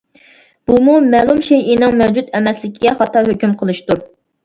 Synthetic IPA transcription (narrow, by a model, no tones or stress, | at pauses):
b̥umumɛlˠumʃejinɪŋmɛwd͡ʒut̪ɛmɛslɪkʲʰiɡʲɛχɑt̪ʰːɑɦøkʲymqʰəlˠɨʃt̪uɾ